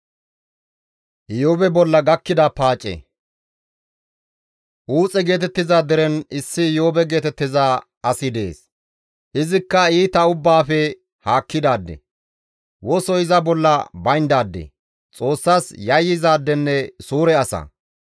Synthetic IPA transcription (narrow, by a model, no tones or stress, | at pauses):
ʔɪjoːbɛbɔlːɐɡɐkːɪd̪ɐpaːt͡ʃʼːɛ̰ | ʔuːt͡sʼɛɡe̞ːt̪ɛt̪ːɪzaːd̪ɛɾɛnɪsːɪɪjoːbɛɡe̞ːt̪ɛt̪ːɪzaː | ɐsɪd̪e̞̰ːs | ʔɪzɪkːɐiːt̪ɐʊbːaːfɛ | haːkːɪd̪aːd̪ːɛ̰ | wɔsɔɪzɐbɔlːɐbɐjnd̪aːd̪ːɛ̰ | t͡sʼo̞ːsːaːsjɐjːɪzaːd̪ːɛnːɛsuːɾɛɐsɐ̰